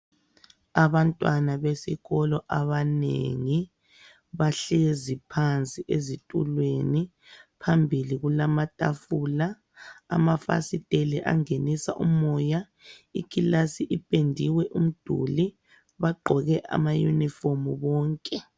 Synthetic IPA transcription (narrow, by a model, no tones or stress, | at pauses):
aβantʼwanaβesiɣɔlɔʔaβanḛŋi | βaɬezipʰant͡sʼiʔezitʼulweni | pʰambʱiliɣulamatʼafuːla̰ː | mafa̰sitʼelɛʔa̰ŋenisaʔumɔja | ikʼilasiʔipʼendʱiwɛʔum̩d̥ʱṵli | βaɡ͡ǃʱɔɣɛʔa̰majṵnifomuβɔːŋkʼɛ